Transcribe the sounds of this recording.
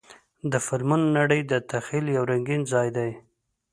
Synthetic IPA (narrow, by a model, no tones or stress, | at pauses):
d̪əfaɾmʊnːaɽəjd̪ət̪axiljawɾaŋɡinzɑjd̪aj